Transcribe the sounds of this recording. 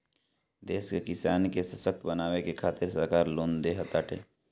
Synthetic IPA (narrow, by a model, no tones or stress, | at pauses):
d̪eːskekɪsaːnkesɐsək̚t̪ʰbənaːʋekekʰaːt̪ɪɾsəɾkaːɾloːnd̪eːɦət̪aːʈʰḛː